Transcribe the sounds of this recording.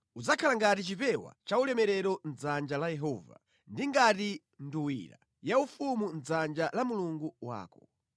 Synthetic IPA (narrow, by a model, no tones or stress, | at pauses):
ud͡zakʰalaŋɡatit͡ʃipɛwa̰t͡ʃaulɛmɛɾɛɾɔnd͡zand͡ʒalajɛɦɔva̰ | ndiŋɡati | nduwḭɾa̰ | jaufumund͡zand͡ʒalamuluŋɡuwa̰ːkɔ̥